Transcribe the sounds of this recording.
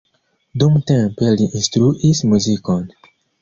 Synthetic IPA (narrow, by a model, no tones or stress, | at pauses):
d̪ɔ̃mtɛ̃peliʔĩst̪ɾuʔismuzikɔ̃n